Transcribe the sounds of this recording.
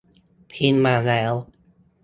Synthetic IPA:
pʰi˧nmaː˧˩lɛː˦˥w

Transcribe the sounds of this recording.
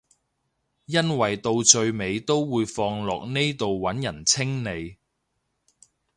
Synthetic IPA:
jɐ˥nwɐ˨˩jt̪o˧wt͡ʃɵ˧ɥme˨˧jt̪o˥wːuː˨˧jfɔː˧ŋlɔː˨k̚ne˥jt̪o˨wːwɐ˨˥njɐ˨˩nt͡sʰɪ˥ŋne˨˧j

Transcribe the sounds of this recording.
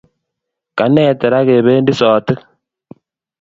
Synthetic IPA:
ka˨ne˨te˨ɾa˦ɣe˨βeː˦ndi˦sɔː˨ti˦

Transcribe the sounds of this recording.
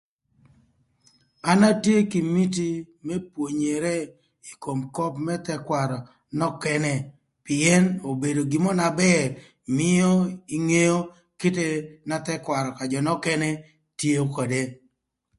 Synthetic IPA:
a˦na˦tje˦ki˨mi˦t̬i˦ | mɛ˦pwo˨ɲe˨ɾe˦ | i˨ko˨mkɔ˦pmɛ˦t̪ɛ˦kwa˨ɾɔ˨ | nɔ˦kɛ˦nɛ˨ | pɪ˨ɛ˦no˨be˨do˨ɡɪ˨mɔ˦na˨bɛ˦r | mɪ˦jɔ˦i˦ŋe˦jo˦ | ke˦te˦na˦t̪ɛ˦kwa˨ɾɔ˨ka˨d͡ʒɔ˨nɔ˦kɛ˦nɛ˦ | tje˦o˦kɔ˨de˦

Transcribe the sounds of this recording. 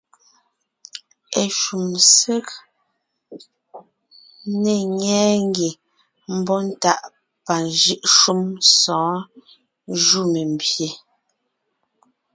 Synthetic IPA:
e˨ʃu˨mse˦k | ne˨ŋɛː˦ŋ˦ɡi˨ | m̩˦bɔ˦n̩˦ta˦˨ʔ | pa˨nʒi˦ʔʃu˦msɔ̃ː˨˦ | ʒu˦˨me˨m˨bje˨

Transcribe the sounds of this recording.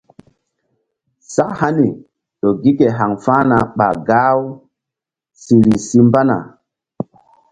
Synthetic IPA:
sa˦kha˦ni˨ | ɗo˨ɡi˦ke˨ɦa˨ŋfaː˦na˨ɓa̰˨ɡaː˦w | si˨ɾi˨si˦mba˦na̰˨

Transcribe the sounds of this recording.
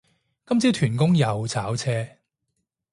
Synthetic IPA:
kɐ˥mt͡siː˥t̪ʰyː˨˩nkʊ˥ŋjɐ˨˧wt͡sʰaː˨˥wt͡sʰɛː˥

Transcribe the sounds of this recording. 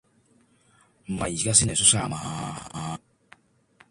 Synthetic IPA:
ma̰˨ji˨ka˦si˦nɛ˨su˦sa̰˦˨ma˨ha̰˦a˦

